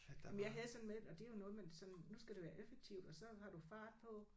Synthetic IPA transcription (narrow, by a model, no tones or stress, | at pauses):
jemnjɑ̈ɪɦæðˠsɒ̽nmeðɒ̽d̥e̝æjo̝nɔ̽ːð̞̩ˠmensɒ̽nnusɡ̥æd̥e̝ʋæːɐʔefeɡ̥̚t͡sʰiʊ̰d̥ɒ̽sɒ̽hɑ̈ɾ̥ufɑ̈ːd̥̚pʰɒ̽